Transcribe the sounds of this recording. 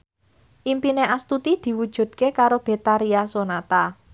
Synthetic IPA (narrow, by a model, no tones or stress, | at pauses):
ʔimpineʔast̪ut̪id̪̥i̤wud̥ʒ̥ṳd̪̥̚kekaɾob̥e̤t̪aɾiasonat̪a